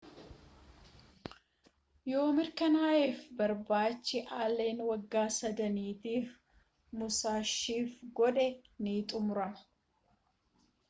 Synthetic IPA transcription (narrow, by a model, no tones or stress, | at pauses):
jo̞ːmɪɾkɐnaːʔeːfbɐɾbaːt͡ʃːɪʔaːlːe̞ːnwɐɡːaːsɐd̪ɐniːt̪iːf | mʊsaːʃːiːfɡɔᶑɛniːt̪ʼʊmʊɾɐnɐ